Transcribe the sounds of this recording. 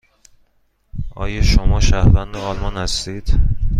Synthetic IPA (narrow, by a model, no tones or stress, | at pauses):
ʔɒ̰ːjɒːʃomɒːʃæhvænd̪oɒːlmɒːnhæst̪iːd̪̥